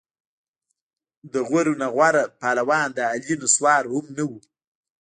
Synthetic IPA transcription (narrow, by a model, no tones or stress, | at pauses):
d̪əɣwaɾunaɣwaɾapɑlawɑːnd̪əalinoswɑːɾhʊmnawu